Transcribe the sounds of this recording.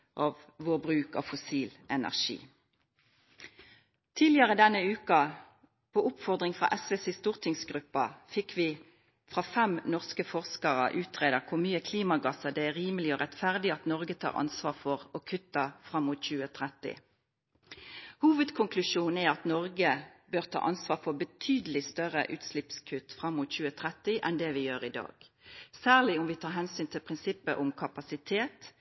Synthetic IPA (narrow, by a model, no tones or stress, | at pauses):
ʔɑːʋ | ʋobʁʉːkɑ̰fʊsiːlʔɛnæ̰ʁʃḭː | t̪ʰiːlɪəʁəd̪ɛnəʉːkɑ | pʰoːʊpfɔʁd̪ʁɪŋfʁɑ̰ʔɛsʋɛsɪst̪uːʁt̪ʰɪŋsɡʁʉpːɑfɪkʰʋiː | fʁɑfɛmnɔʁskəfɔʁskəʁə̰ʔʉːt̪ʰʁeːd̪əʁkʰʊmyːəkʰliːmɑɡɑsəd̪ɛæʁiːməlɪoːʁɛt̪fæʁd̪ɪɑt̪nɔʁɡət̪ʰɑ̰ːʁʔɑ̰nsʋɑːʁfɔʁɔkʰʉt̪ːəfʁɑmːʊt̪çʉːət̪ʰʁɛt̪ːɪ̰ | huːʋəd̪kʰʊŋkʰlʉʂuːn̩æʁɑt̪nɔʁɡəbøːʁt̪ʰɑ̰ːʔɑnsʋɑːʁfɔʁbət̪ʰyːd̪əlɪst̪œʁə̰ʔʉːt̪slɪpskʰʉt̪ːfʁɑmːʊt̪çʉːət̪ʰʁɛt̪ːɪʔɛnd̪ɛʋɪjøːʁɪd̪ɑ̰ːɡ̥sæːʁlɪʊmʋɪt̪ʰɑːʁɦɛnsyːnt̪ʰɪlpʰʁɪnsɪpːəʔʊmkʰɑpɑsɪt̪ʰeːt̪